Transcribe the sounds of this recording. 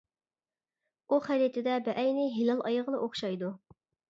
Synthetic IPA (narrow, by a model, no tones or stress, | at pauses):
uχæɾit̪ʰɪd̪ɛbɛʔɛjnɪɦilɑlˠʔɑjəʁənɨʔoχʃɑjd̪u